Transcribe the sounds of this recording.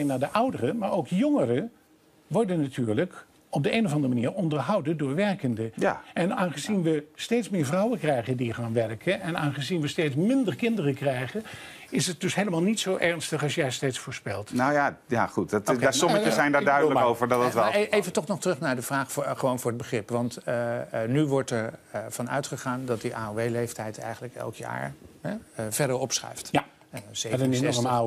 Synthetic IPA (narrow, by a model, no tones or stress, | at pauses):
naːɹdəʔʌwdərəmaːɹowkjoŋərə | ʋɔɹdənːatʰyːɹlək | ɔb̚dəeːnovɑndərəmaniːrɔndəɹɦʌwdədʊːɹʋɛrkəndəjaʔɛnaːnχəzinʋəsteːtsmɪːɹvrʌwənkrɛjχəndiχaːnʋɛrkʰənɛnaːnχəzinʋəsteːtsmɪndərkɪndərəkrɛjχən | ɪsət̚d̥ɵsɦejləmaːlˠnitsowʔɛrnstəχɑsjɛjstejtsfʊːɹspɛlˠtnowjajaχuttːsɔməəɛjndaːɹdœɥdələowvəɹdɑtɑtʋɛejvətɔχnɔχtərɵχnaːɹdəvraːχfχəʋownvʊːɹəd̚bəχrɪpʋɑnt | nyʋɔɹtɛɹv̥ɑnœ̰ɥtχəχaːndɑt̚diʔaːoʋejlejftɛjtɛ̰jχənləkɛ̰lˠkja̰ːɹɦɛv̥ɛɹdəɹɔpsrɛ̰jfta | zedənɪɔəa